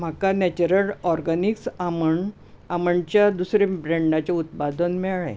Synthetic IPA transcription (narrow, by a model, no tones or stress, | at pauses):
m̤akanɛt͡ɕuɾəlɔɾɡaniksaməɳ | aməɳt͡ɕjad̪usɾebɾeɳɖat͡ɕaut̪̚pad̪ənmɛɭa̰j